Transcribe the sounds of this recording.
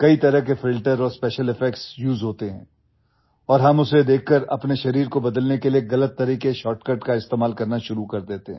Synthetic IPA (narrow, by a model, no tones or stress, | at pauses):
kɐit̪ɐɾəɦkefɪlʈəɾɔːɾspɛːʃəlɪfɛk̚ʈsjuːzɦoːt̪eɦɛ̰̃ː | ɔːɾɦɐmʊsed̪eːkʰːəɾɐ̰pneʃɐɾiːɾkobɐd̪əlnekelieɣɐlət̪ːɐɾiːkeʃɔːʈkɐɾʈkaɪst̪eːmaːlkɐɾnaʃʊɾukɐɾd̪eːt̪eɦɛ̃